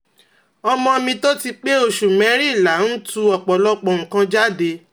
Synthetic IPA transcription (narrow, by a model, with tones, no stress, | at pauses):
ɔ˧mɔ̃˧mĩ˧to˦ti˧k͡pe˦o˦˨ʃu˨mɛ̃˨˦ɾi˦˨la˨˦n̩˦tu˦ɔ˨k͡pɔ˨lɔ˦k͡pɔ̃˨kã˧d͡ʒa˦de˧